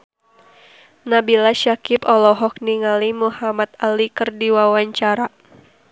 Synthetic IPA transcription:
nabilaʃakipɔlɔɦɔk̚niŋalimuhamat̪alikɨrdiwawaɲt͡ʃaɾa

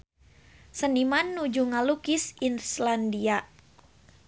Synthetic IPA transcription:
sənimanːud͡ʒuŋalukisinslandia

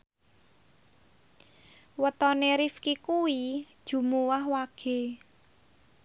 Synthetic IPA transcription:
wət̪ɔneɾifkikuwid̥ʒ̥ṳmuwahwaɡ̥e̤

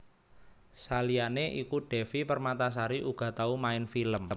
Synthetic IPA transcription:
salianeʔikuɖ̥ɛ̤fipərmat̪as̬aɾiʔuɡ̥a̤t̪aumaɪnfiləm

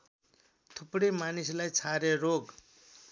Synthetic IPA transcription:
t̪ʰupɽemanislajt͡sʰaɾeɾoɡ

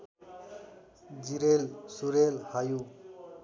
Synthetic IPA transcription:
d͡ʒiɾelsuɾelhaju

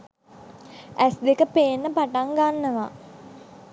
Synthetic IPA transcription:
ʔæsd̪ekəpeːnːəpaʈaŋɡanːəʋa̰

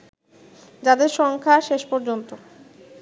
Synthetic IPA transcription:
d͡ʑad̪eɾʃɔŋkʰaʃeʃpɔɾd͡ʑont̪o

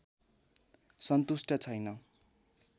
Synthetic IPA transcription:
sʌnt̪usʈʌt͡sʰʌjnʌ

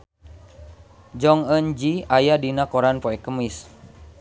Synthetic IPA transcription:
d͡ʒɔŋənd͡ʒiajadinakɔɾanpɔɛkəmis

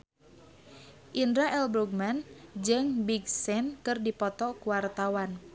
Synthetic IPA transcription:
ʔindɾaʔɛlbɾuɡ̚mand͡ʒɨŋbiɡsɛnkɨrdipɔt̪ɔkuwart̪awan

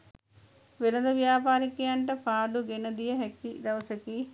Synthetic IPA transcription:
ʋilɐd̪ɐʋjaːpaːɾikiɐɳʈɐpʰaːɖuɡenːɐd̪ijɐɦekːid̪ɐwsɐki

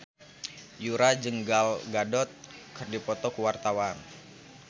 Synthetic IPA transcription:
juɾad͡ʒəŋɡalɡadɔt̪̚kɨrdipɔt̪ɔkuwart̪awan

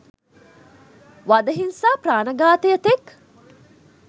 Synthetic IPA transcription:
ʋad̪ɐɦinsaːpraːnɐɡaːt̪jət̪ek

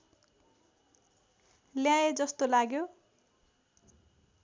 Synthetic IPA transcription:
ljãed͡zʌst̪olaɡjo

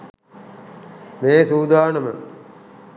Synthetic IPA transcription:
meːsuːd̪aːnəmə

